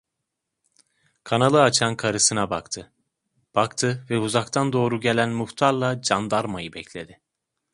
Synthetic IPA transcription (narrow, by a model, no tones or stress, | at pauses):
kʰanalˠɯat͡ʃʰankʰaɾɯsɯnabakt̪ʰɯ | b̥akt̪ʰɯvɛuzak̚t̪ʰand̪o̞ːɾuɟe̞lʲænmuxt̪ʰaɾlˠad͡ʒand̪aɾmajɯbɛclʲe̞d̪ɪ